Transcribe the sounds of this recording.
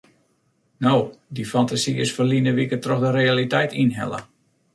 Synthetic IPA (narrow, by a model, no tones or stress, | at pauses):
nowdifantasiɪsfəlinəʋikətrɔxdəɾealitɛjtinɦɛ̰lˠə̰